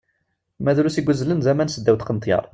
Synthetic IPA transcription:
mæðɾusiɡʷəzːlənzæmænsəd̪ːæwt̪qənt̪ˤjɑ̰ɾˤ

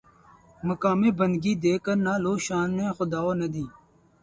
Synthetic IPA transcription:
məkaːmeːbənd̪ɡiːd̪eːkəɾnaːloːʃaːnːẽːxʊd̪aːoːnɐd̪iː

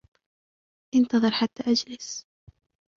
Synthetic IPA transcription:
ʔɪnt̪ɑðˤɨɾħat̪ːaːʔad͡ʒlɪs

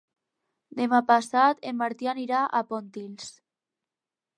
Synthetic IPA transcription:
d̪emapasat̪emːaɾt̪ianiɾaʔapont̪ils

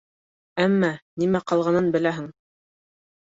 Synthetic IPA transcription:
æmːænimæqɑlˠʁɑnɤnbɘ̆læɦɘŋ

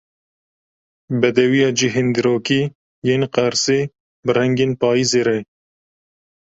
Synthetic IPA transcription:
bɛd̪ɛwijɑːd͡ʒɪɦend̪ɨɾoːkiː | jeːnqæɾseː | bɨɾɛŋɡeːnpɑːjizeːɾɛ

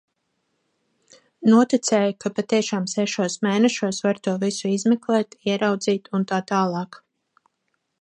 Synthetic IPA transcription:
nuɔt̪it̪sɛːjkapat̪iɛʃaːmsɛʃuɔsmɛːnɛʃuɔsvaɾt̪uɔvisuizmɛklˠɛːt̪iɛɾawd̪ziːt̪unt̪aːt̪aːlˠɑːk

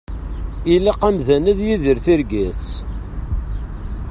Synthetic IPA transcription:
ilæqæmðænæðjiðəɾθiɾɡæs

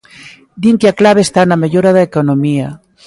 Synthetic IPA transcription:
d̪iŋkeaklaβeːst̪anameʎoɾaðaekonomiɐ

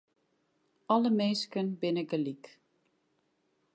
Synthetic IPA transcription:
ɔləmeːskənbɪnəɡəlik

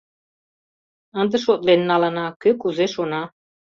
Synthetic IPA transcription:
ə̆nd̪əʃot̪lennɑlɑnɑkɘkuzeʃonɑ

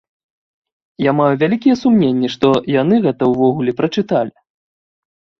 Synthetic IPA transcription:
jamajuvʲalʲikʲijɛsumnʲenʲːiʂt̪ɔjan̪ɨɣɛt̪ɐwvɔɣulʲɛpɾɐt͡ʂɨt̪alʲi

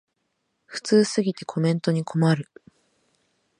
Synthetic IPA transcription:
ɸɯ̟̥t͡sɨːsɨɡʲit̪e̞kʰo̞mẽ̞nt̪o̞ɲ̟ikʰo̞maɾɯ̟

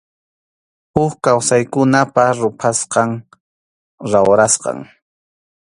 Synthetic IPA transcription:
hʊkkawsajkʊnapaɾʊpʰasqɑŋ | ɾawɾasqɑ̰ŋ

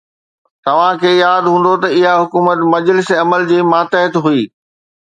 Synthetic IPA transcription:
t̪ɐʋ̤ãkʰeːjaːd̪ɦũːn̆d̪ot̪ɐɪɦaɦʊkuːmət̪mɐd͡ʑlɪsɐməld͡ʑiːmaːt̪əɦət̪ɦuiː

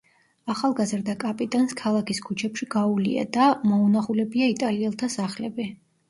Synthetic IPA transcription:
aχalˠɡazɾd̪akʼapʼit̪ʼanskʰalˠakʰiskʰut͡ʃʰɛpʃiɡaulḭa̰d̪amɔunaχulɛbiait̪ʼaliɛlˠt̪ʰasaχlɛbi

